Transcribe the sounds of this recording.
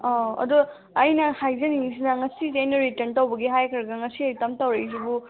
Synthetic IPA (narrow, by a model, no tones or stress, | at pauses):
oɐ̰du | ɐjnɐhajzɐnisinɐŋɐsizenoɾitɐntɐwbɐɡiɦajkʰɐɾɐɡɐŋɐsiɐjtɐmtɐwɾejzibu